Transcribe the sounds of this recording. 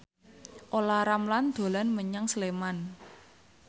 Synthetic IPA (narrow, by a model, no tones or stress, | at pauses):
ʔolaɾamland̪̥o̤lanməɲaŋsleman